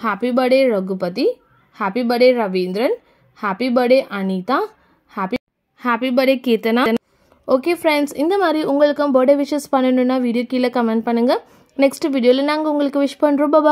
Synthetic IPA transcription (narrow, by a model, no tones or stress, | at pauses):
haːpibɐɽeɾɔɡɯpɐt̪i | haːpibɐɽeɾɐʋiːnd̪ɾɐn | haːpibɐɽeʔɐnit̪aː | haːpi | haːpibɐɽeːkeːt̪ɐnan | oːkeːfɾɛɳɖsɪnd̪ɐmaːd̪ɾiʔʊŋɡɐɭɯkːɐ̃mboːɽeʋɪʂɐspɐɳːɐnɯ̃nːaːʋiːɽɪjoːkiːlɐkɐmɛɳʈ̚pɐɳːɯŋɡɐ | nɛksʈɯʋiːɖɪjoːlɐnaːŋɡɐʊŋɡɐɭɯkːɯʋɪʂpɐnɾɔmbɐbaː